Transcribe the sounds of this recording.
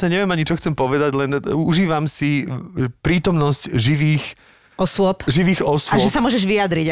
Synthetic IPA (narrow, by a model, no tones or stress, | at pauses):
aɲɛʋɪɛmaɲit͡ʃɔxt͡sɛmpɔʋɛd̪aɟlɛnuʒiːʋamsipɾiːt̪ɔmnɔscʒiʋiːx | ɔsʊɔpʒiʋiːɣɔsaʒɛsamʊɔʒɛʒʋijad̪ɾiɟ